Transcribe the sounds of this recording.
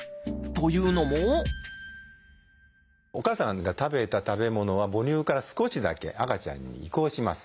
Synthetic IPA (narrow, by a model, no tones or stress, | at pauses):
t̪o̞jɯ̟ːno̞mo | o̞kaːsãŋɡat̪abe̞t̪at̪abe̞mo̞no̞β̞abo̞ɾʲɨːkaɾasɨ̥ko̞ɕid̪a̰ke̞̰ʔakat͡ɕã̰ɲ̟ːḭːko̞ːɕimasɨ̥